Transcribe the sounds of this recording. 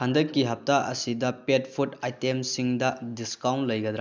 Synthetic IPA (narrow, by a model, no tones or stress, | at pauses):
hʰandɐkːiɦɐp̚taʔɐ̰sidɐpet̚pʰutajtemsiŋdɐdiskawntlɐjɡɐd̪ɾa